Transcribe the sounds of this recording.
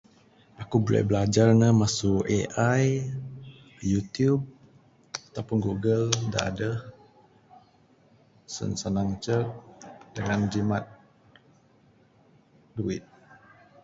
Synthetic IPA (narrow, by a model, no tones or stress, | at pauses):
akubəla̰bəlad͡ʒarnəmasueʔaj | jut̪ijub̚ | at̪awpunɡuɡəlda̰ʔa̰dəh | sə̰nsanaŋt͡ʃək̚dəŋand͡ʒimat̪̚ | duɪt̪̚